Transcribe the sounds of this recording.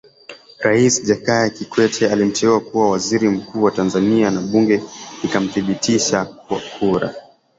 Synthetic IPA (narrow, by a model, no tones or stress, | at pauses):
ɾaisʄakajakikwɛtʰɛalim̩tɛuakuwawaziɾim̩kuːwatanzanianaɓuŋɡɛikam̩θiɓitʰiʃakwakʰuɾa̰